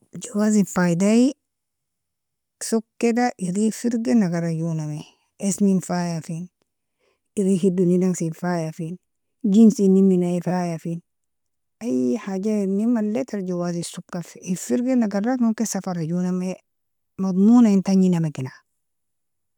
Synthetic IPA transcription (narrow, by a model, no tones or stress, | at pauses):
d͡ʒawaːzifajdaji | sukːedaʔiɾifiɾɡenaɡaɾajuname | esminfaːjafin | iɾihidunidaŋsinfaːjafin | d͡ʒinsinːiminaifajafin | ʔajħaɟanimalːet̪aɾɟawazisukːafifiɾɡenaɡarːakmuŋkesafaɾajuname | mɑd̪ˤmuːnaintaɲinamekina